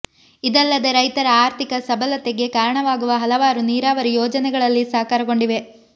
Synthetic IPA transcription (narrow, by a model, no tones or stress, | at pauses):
id̪ɐlːɐd̪ɐɾɐjt̪ɐɾɐaːɾt̪ʰikɐsɐbɐlɐt̪eɡe̞kaːɾɐɳɐʋaːɡuʋɐɦɐlɐʋaːɾuniːɾaːʋɐɾijɔːd͡ʒɐnɛɡɐɭɐlːisaːkaːɾɐɡo̞ɳɖiʋe̞